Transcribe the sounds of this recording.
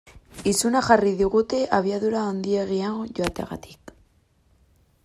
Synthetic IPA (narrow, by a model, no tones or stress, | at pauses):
isunaχariðiɣut̪eʔaβiaðuɾaond̪ieɣiaŋoʝoat̪ea̰ɣa̰t̪i̥k